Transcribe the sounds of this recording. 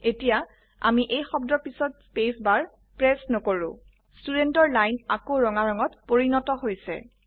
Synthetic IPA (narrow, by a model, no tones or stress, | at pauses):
etija | a̰miʔejxɔbdɔpisɔt̚spesbaɹ | pɹɛsnɔkoɹʊ̰̃ | studentɔɹlajnakoɹɔŋaɹɔŋɔtpoɹinɔtɔɦojsɛ̰